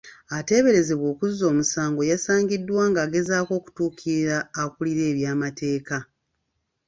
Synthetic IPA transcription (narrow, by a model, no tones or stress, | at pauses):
ate̞ːβe̞ɾe̞zeβwo̞ːkuzo̞ːmusaːŋɡo̞jasaːŋɡidːwaːŋɡaːɡe̞zaːko̞ːku̥tuːkʰiɾaːkuliɾe̞ːβjaːmatʰe̞ːka